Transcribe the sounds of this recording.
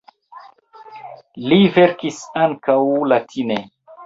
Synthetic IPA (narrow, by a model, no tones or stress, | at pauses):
liveɾkisaŋkawlatʰine